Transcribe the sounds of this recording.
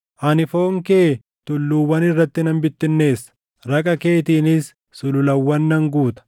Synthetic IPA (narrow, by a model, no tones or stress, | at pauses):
ʔɐnɪfo̞ːŋkeː | t̪ʊlːuːwɐnɪrːɐt̪ːɪnɐmbɪt̪ːɪnːe̞ːsːɐ̥ | ɾɐkʼɐke̞ːt̪iːnɪsː | ʊlʊlɐwːɐnːɐŋɡuːt̪ɐ̥